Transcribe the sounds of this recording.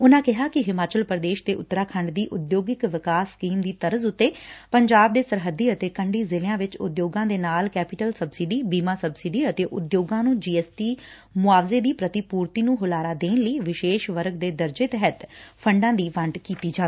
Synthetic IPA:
ʊnãːkɪɦaːkɪɦɪmaːt͡ʃəlpɾəd̪eːʃt̪eːʔʊt̪ːɾaːkʰəɳɖd̪iːʔʊd̪joːɡɪkʋɪkaːsːkiːmd̪iːt̪əɾəzʊt̪ːeːpəɲd͡ʒaːb̚d̪eːsəɾɦəd̪ːiːət̪eːkəɳɖiːzɪlɪjãːʋɪt͡ʃʊ̰d̪joːɡãːd̪eːnaːlkɛːpɪʈəlsəbsɪɖiːbiːmãːsəbsɪɖiːət̪eːʔʊd̪joːɡãːnũːd͡ʒiːɛːsʈiː | mʊaːʋzeːd̪iːpɾət̪ipuːɾt̪iːnũːɦʊlaːɾaːd̪eːnləiːʋɪʃeːʃʋəɾɡ̚d̪eːd̪əɾd͡ʒeːt̪ɛɦət̪pʰəɳɖãːd̪iːʋəɳʈkiːt̪iːd͡ʒaː

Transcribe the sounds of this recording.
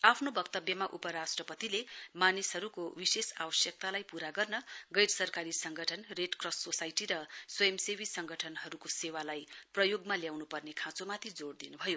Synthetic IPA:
apʰnobʌkt̪ʌbjʌmaʔupʌɾasʈrʌpʌt̪ilemanisɦʌɾukowisesa̰bʌsjʌk̚t̪alajpuɾaɡʌrnʌɡʌjɾsʌrkaɾisʌŋɡʱʌʈʰʌnreɖkrʌsʈsosajʈiɾʌswʌjʌmsewisʌŋɡʱʌʈʰʌnɦʌɾukosewalajprʌjoɡmaljawnupʌrnekʰãt͡somat̪ʰid͡zoɽd̪inubʱʌjo

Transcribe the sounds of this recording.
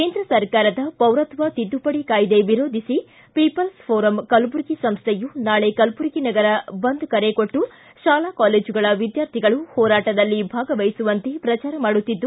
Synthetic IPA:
keːnd̪ɾɐsɐɾkaːɾɐd̪ɐpɐwɾɐt̪ʋɐt̪id̪ːupɐɽikaːjd̪e̞ʋiɾo̞ːd̪ʱisi | pipɐlspʰoːɾɐmkɐlbuɾkisɐmst̪ʰejunaːɭe̞kɐlbuɾkinɐɡɐɾɐbɐnd̪ukɐɾekoʈːu | ʃaːlakaːleːd͡ʒuɡɐɭɐʋid̪jaːɾt̪ʰiɡɐɭuhɔːɾaːʈɐd̪ɐlːibʱaːɡɐʋɐjsuʋɐnt̪e̞pɾɐt͡ʃaːɾɐmaːɽut̪ːid̪ːu

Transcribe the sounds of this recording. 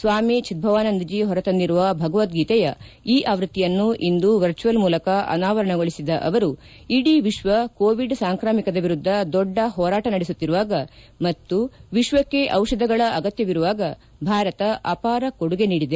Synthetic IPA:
sʋaːmit͡ʃit̪̚bʱɐʋaːnɐnd̪ɐd͡ʒiːɦɔɾɐt̪ɐnd̪iɾuʋɐbʱɐɡɐʋɐt̪ɡiːt̪ɛjɐiːʔaːʋɾut̪ːijɐnːuʔind̪uʋɐɾt͡ʃujɐlmuːlɐkɐɐ̰naːʋɐɾɐɳɐɡoɭisid̪ɐʔɐʋɐɾu | iɽiʋiʃʋɐkoːʋiɖsaːŋkɾaːmikɐd̪ɐʋiɾud̪ʱːɐd̪ɔɖːɐɦɔːɾaːʈɐnɐɽesut̪ːiɾuʋaːɡɐ | mɐt̪ːuʋiʃʋɐkːe̞ʔɐwʂɐd̪ʱɐɡɐɭɐʔɐɡɐt̪jɐʋiɾuʋaːɡɐ | bʱaːɾɐt̪ɐʔɐpaːɾɐkoɽuɡe̞niːɽid̪e

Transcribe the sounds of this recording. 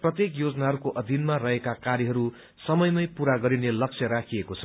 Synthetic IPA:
prʌt̪jekjod͡zʌnaɦʌɾukoʔʌd̪ʱinmarʌɦekakaɾjʌɦʌɾu | sʌmʌjmʌjpuɾaɡʌɾinelʌk̚t͡sʰjʌɾakʰiekot͡sʰʌ̥

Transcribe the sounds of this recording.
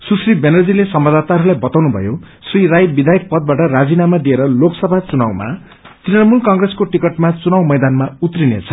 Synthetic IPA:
susribenʌrd͡zilesʌmbad̪at̪aɾulajbʌt̪awnubʱʌ̰jo | sriɾajbid̪ʱajʌk̚pʌd̪̚baʈʌrad͡zinamad̪ieɾʌloksʌbʱat͡sunawma̰ | t̪rinʌmulkʌŋɡreskoʈikʌʈmat͡sunawmʌjd̪anmaut̪rinḛt͡sʰʌ̥

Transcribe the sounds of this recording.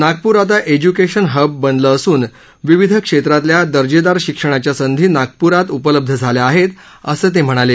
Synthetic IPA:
naɡ̚puɾat̪aʔed͡ʑukeɕənɦəbːənd̪ləːsuːn | ʋiʋid̪ʱəkʂet̪ɾat̪ljad̪əɾd͡ʑed̪aɾɕikʂəɽ̃at͡ɕjasənd̪ʱiːnaɡ̚puɾat̪upələb̚d̪ʱəd͡zʱaljaaɦet̪ | əsəːt̪̬em̤əɽ̃ale

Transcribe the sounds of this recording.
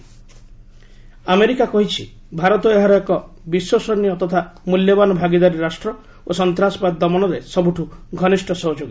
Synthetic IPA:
ameɾikakɔɦit͡ʃʰi | bʱaɾɔt̪ɔeɦaɾɔjɔkɔ | biswɔsɔnijɔt̪ɔt̪ʰamuljɔbanɔbʱaɡid̪aɾiɾasʈɾɔ | osɔnt̪ɾasɔ̥bad̪ːɔmɔnɔɾesɔbuʈʰuɡʱɔnisʈʰɔsɔɦud͡ʒoɡi

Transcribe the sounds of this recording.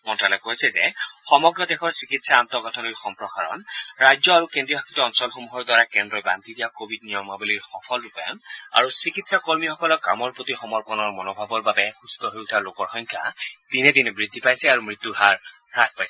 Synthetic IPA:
mɔntalɔkojsɛzɛ̰xɔmɔɡɹɔdɛxɔɹsikitsaant̪ɔɡɔtʰɔniɹxɔmpɹɔxaɹɔ̰nɹajzɔaɹukendɹijɔɦakʰitɔɔnsɔlxomuɦɔɹdwaɹakɛndɹɔjba̰nt̪idijakobʱid̚nijɔmaboliɹxɔpʰɔlupja̰ma̰ɹusikitsakoɹmixɔkɔlɔka̰mɔɹpot̪ixɔmɔɹpɔnɔɹmɔnɔbʱabɔɹbabɛxust̪ɔɦojutʰalokɔɹxɔjŋkʰa̰d̪̥inɛdinɛbɹidʱːipajsɛaɹumɹit̪ːuɹɦaɹpɹaspajsɛɛ

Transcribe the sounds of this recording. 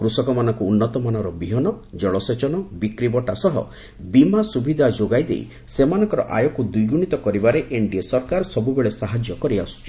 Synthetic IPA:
kɾusɔkɔmanɔŋkuːnːɔt̪ɔmanɔɾɔbiɦɔnɔd͡ʒɔɭɔset͡ʃɔnɔbikɾibɔʈasɔɦɔ̰ | bimasubid̪ʱad͡ʒoɡajd̪ḛj̰ | semanɔ̃ŋkɔɾɔ̰ʔa̰jɔkud̪ujɡuɽ̃it̪ɔkɔɾibaɾeʔeɳɖiesɔɾkaɾsɔbubeɭesaɦad͡ʒjɔkɔɾiasu̥t͡ʃʰi̥

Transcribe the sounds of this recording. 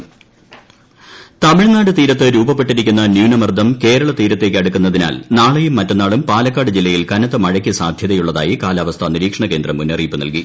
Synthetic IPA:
t̪ɐmiɻnaːɽɨt̪iːɾɐt̪ːɨɾuːbɐpːe̞ʈːiɾikʲːunːɐnjuːnɐmɐrd̪ʱɐmke̞ːɾɐɭɐt̪iːɾɐt̪ːe̞ːkʲːɨɐɽukːunːɐðina̰ːlnaːɭejumːɐtːɐnːaːɭumpaːlɐkːaːɽɨd͡ʑilːɐjilkɐnɐt̪ːɐmɐɻɐk̬ʲːisaːd̪ʱjɐðɐjuɭːɐða̰ːjikaːlaːʋɐst̪ʰɐniɾiːkʂɐɳɐke̞ːnd̪rɐmunːɐriːpːɨnɐ̰lki

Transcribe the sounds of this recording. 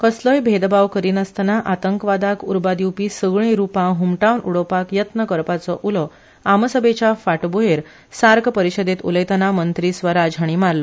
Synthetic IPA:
kəsləjbʱed̪baʋkəɾiːnəst̪anaʔat̪əŋkʋad̪akuɾbad̪iwpiːsəɡɭ̃ĩɾupãɦumʈawnṵɽəpakjət̪nəkəɾpat͡sɔʔulɔ | aməsəbet͡ɕafaʈboɦeɾ | saɾkpəɾiɕəd̪et̪ṵləjt̪ənamənt̪ɾiːsʋəɾad͡zʱaɽ̃iːmaɾlɔ

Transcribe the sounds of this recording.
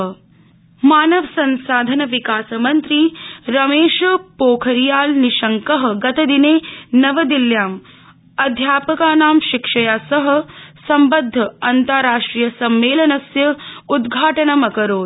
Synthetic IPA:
maːnɐʋɐsɐnsaːd̪ʱɐnɐʋikaːsɐmɐnt̪ɾiɾɐmeːʃɐpoːkʰɐɾijaːlniʃɐŋkɐɦɐ̆ɡɐt̪ɐd̪ineːnɐʋɐd̪iljaːm | ɐd̪ʱjaːpɐkaːnaːmʃikʂɐjaːsɐɦɐ̆sɐmbɐd̪ʱːɐɐnt̪ɐɾaːʂʈɾijɐsɐmːeːlɐnɐsjɐud̪ɡʱaːʈɐnɐmɐkɐɾoː

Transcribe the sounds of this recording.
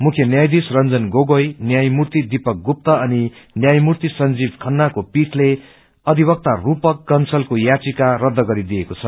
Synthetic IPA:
mukʰjʌnjajd̪isrʌnd͡zʌnɡoɡojnjajmurt̪id̪ipʌk̚ɡup̚t̪ʌʌninjajmurt̪isʌnd͡zib̚kʰʌnːakopiʈle | ʌd̪ʱibʌk̚t̪arupʌkːʌnsʌlkojat͡sikarʌd̪ːʌɡʌɾid̪ijekot͡sʰʌ

